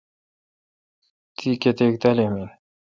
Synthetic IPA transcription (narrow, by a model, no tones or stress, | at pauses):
t̪ʰiket̪ek̚t̪ɐleme